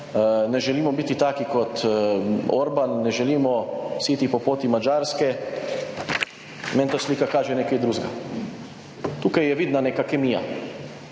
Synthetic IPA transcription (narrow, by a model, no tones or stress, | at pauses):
nɛʒɛliːmɔbiːt̪it̪aːkikɔt̪ | oɾbanːɛʒɛliːmɔsiːt̪ipɔpoːt̪imad͡ʒaːɾskɛ | mɛ̃nt̪asliːkakaːʒɛneːkajd̪ɾuːzɡa | t̪uːkajjɛʋiːd̪naneːkakɛmija̰